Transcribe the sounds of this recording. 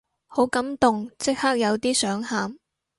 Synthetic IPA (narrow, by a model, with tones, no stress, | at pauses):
ho˨˥wkɐ˨˥mt̪ʊ˨ŋt͡sɪ˥k̚haː˥k̚jɐ˨˧wt̪iː˥sœː˨˥ŋhaː˨˧m